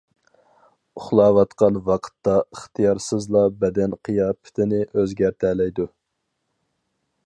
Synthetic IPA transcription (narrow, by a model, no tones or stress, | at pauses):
ʊχlˠɑːwɑt̪qɑnwɑqʰə̥t̪ːɑəχt̪ʰijɑɾsɨzlˠɑbɛd̪ɛnqʰijɑːpʰɪ̥t̪ʰɪnɪʔøzɡʲæɾt̪ʰæːlɛjd̪u